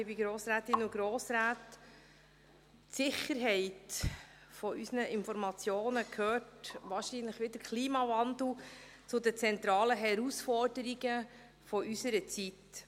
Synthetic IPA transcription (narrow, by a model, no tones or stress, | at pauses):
ɪbiɡɾoːsɾæːt̪ɪnʊɡɾoːsɾæːt | sɪχəɾɦɛɪt | fɔʔysnəʔɪnfɔɾmɑt͡sjoːnəkʰhøːtʋɑːɾʃiːnləχʋɪd̥̪əɾkʰliːmɑvɑnd̪l̩ˠ | t͡sʊd̪ət͡sɛnt̪ɾɑːləɦɛɾusfɔrd̥əɾiɡə | fɔʔysəɾət͡sit